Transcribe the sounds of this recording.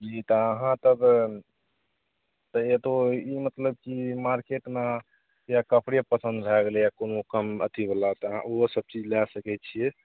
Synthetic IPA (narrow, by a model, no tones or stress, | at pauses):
d͡ʒit̪ɔəɦãt̪əb | t̪əet̪oimət̪ləb̚kimaɾkeʈma | jakəpʰɽjapəsə̃nd̪bʱɛɡelɛjakonokəmə̰t̪ibəlat̪ɔɦã̰ʔoɦsəb̚t͡ʃid͡ʒlɛsəkɛt̪t͡ʃʰijɛ